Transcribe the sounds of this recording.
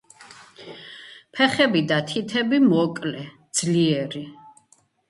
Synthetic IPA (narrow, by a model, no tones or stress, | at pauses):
pʰɛχɛbid̪at̪ʰit̪ʰɛbimɔkʼlɛd̪z̥liɛɾi